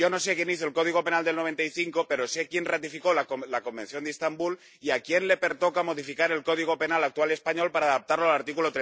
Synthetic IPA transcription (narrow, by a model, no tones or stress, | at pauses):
o̞no̞se̞kje̞niθo̞elko̞ð̞iɣ̞o̞pe̞nald̪elnoe̞nt̪aiθiŋko̞pe̞ɾo̞se̞kje̞nrat̪ifiko̞laolako̞mbẽ̞nθjo̞nd̪est̪ambul | iakje̞nle̞pe̞ɾt̪o̞kamo̞ð̞ifikaɾe̞lko̞ðiɣ̞o̞pe̞nalak̚t̪walespaɲo̞lpaɾaːðap̚t̪aɾlo̞alaɾt̪ikulo̞t̪ɾe